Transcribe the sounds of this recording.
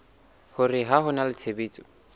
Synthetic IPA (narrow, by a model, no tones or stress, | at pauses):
hʊrɪɦaɦʊnalɪt͡sʰebiːt͡sʼɔ̥